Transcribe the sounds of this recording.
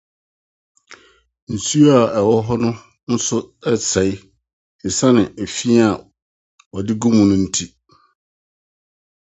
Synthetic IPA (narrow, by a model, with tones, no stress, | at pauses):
n̩˨su˦a˨ɛ˨wɔ˦ɦɔ˦nʊ̃˦ | n̩˦sʊ˦ɛ˦sɛ˨ɪ˦ | ɪ˨sã˦nɪ̃˨ʔe˨fi˦a˨ | wɔ˨dɪ˦ɡũ˦mũ˨nʊ̃˦n̩˦tʰi˦